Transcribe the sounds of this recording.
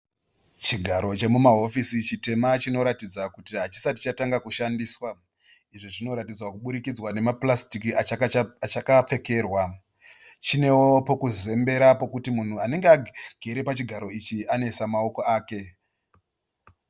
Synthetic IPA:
t͡ʃiɡʱaɾo̞t͡ʃe̞mumaɦo̞fisit͡ʃite̞mat͡ʃino̞ɾatid͡zakutiɦat͡ʃi̥sati̥t͡ʃataŋɡakuʃandiːswa | iʐoʐino̞ɾatid͡zwakuɓuɾikid͡zwane̞maplastikiat͡ʃakap͡fe̞ke̞ːrwa | t͡ʃine̞wopo̞kuze̞mbe̞ɾapo̞kutimun̤uane̞ŋɡeaɡ̥ʱeɾe̞pat͡ʃiɡʱaɾo̞it͡ʃiane̞samao̞ko̞aːke̞

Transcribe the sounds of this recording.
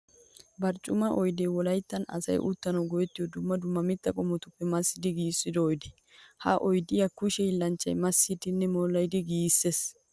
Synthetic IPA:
bɐɾt͡ʃʼʊmɐʔɔjd̪ewɔlɐjt̪ːɐnɐ̰sɐ̰jʔʊ̰t̪ːɐnɐwɡɔjɛt̪ːɪjɔd̪ʊmːɐd̪ʊmːɐmɪt̪ːɐkʼɔmːɔt̪ʊpːɛmɐsːɪd̪ɪɡiːsːɪd̪ɔːjd̪ɛ̥ | hɐʔɔjd̪ɪjɐkʊʃɛjɪlːɐnt͡ʃːɐ̰jmɐsːɪd̪ɪnːɛmɔlːɐjd̪ɪɡiːsːes

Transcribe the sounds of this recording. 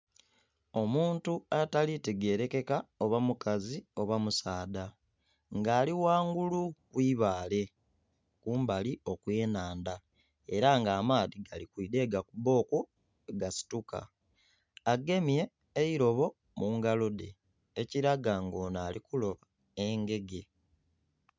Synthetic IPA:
o̞muːntuataliteɡe̞ːɾe̞ke̞kao̞βamukazio̞βamusaːda | ŋɡaːliwaːŋɡulukwiːβaːle̞ | kuːmbalio̞kwe̞ːnaːnda | e̞ɾaŋɡaːmaːðiɡalikwiːde̞ːɡakuβo̞ːku | eɡasi̥tuka̰ː | ɡe̞mje̞ː | iɾo̞βo̞ | muŋɡalo̞de̞̰ː | ciɾaɡaŋɡo̞ːnaːlikulo̞βa | eŋɡe̞ɡe̞

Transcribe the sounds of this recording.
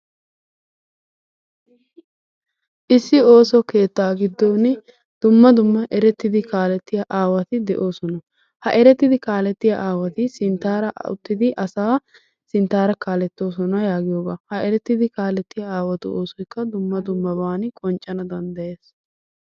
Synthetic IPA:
ʔɪsːɪo̞ːsɔke̞ːt̪ːaːɡɪd̪ːoːn | d̪̥ʊmːɐd̪ʊmːɐʔɛɾɛt̪ːɪd̪ɪkaːlɛt̪ːɪjɐʔaːwɐt̪ɪd̪ɛʔo̞ːsɔnɐ | hɐʔɛɾɛt̪ːɪd̪ɪkaːlɛt̪ːɪjɐʔaːwɐt̪ɪsɪnt̪aːɾɐʔʊ̰t̪ːɪd̪ɪʔɐsaː | sɪnt̪aːɾɐkaːlɛt̪ːo̞ːs̬ɔnɐjaːɡɪjoːɡaːhɐʔɛɾɛt̪ːɪd̪ɪkaːlɛt̪ːɪjɐaːwɐt̪ʊʔo̞ːsɔjkːɐd̪ʊmːɐd̪ʊmːɐbaːnɪkʼɔnt͡ʃʼːɐnɐd̪ɐnd̪ɐje̞ːs

